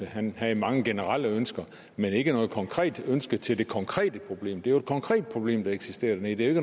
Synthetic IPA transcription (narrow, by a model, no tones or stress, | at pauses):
hænhæmɑ̈ŋəɡ̥e̝nəʁɑl̰əønsɡ̥ɐ | mene̝ɡ̥ənɔ̽ːð̩ˠkʰɒ̽ŋkʰʁɛ̰ːd̥ønsɡ̥ət͡sʰe̝ld̥e̝kʰɒ̽ŋkʰʁɛ̰ːd̥əpʰʁo̝b̥le̝̰ːmd̥eæjoed̥̚kʰɒ̽ŋkʰʁɛ̰ːd̥̚pʰʁo̝b̥le̝̰ːmd̥ɑ̈eɡ̥sisd̥e̝̰ːɐd̥enḛd̥e̝æeɡ̥ən